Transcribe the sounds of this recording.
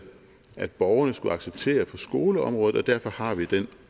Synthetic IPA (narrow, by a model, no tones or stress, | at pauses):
ʔæd̥̚b̥ɒʊɐnəsɡ̥uɑ̈ɡ̥seb̥t͡sʰe̝̰ːɐpʰɒ̽sɡ̥o̝ːləɒ̽mʁɔ̽ːð̩ˠɒ̽d̥æɐ̰fɒ̽hɑ̈ʋid̥en